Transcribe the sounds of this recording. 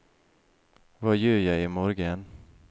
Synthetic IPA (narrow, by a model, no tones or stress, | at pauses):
vajɵːɾjaɪmɔɾɡən